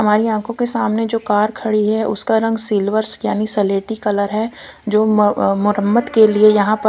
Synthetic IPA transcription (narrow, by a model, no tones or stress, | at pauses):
ɦɐmaːɾiãːkʰõkesaːmned͡ʒoːkaːɾkʰɐɽiɦɛʔʊ̰skaɾɐ̃ŋɡsiːlʋəɾsjaːniseleːʈikɐləɾɦɛ | d͡ʒoːmʊɾəmːəd̪keliejɐɦãpə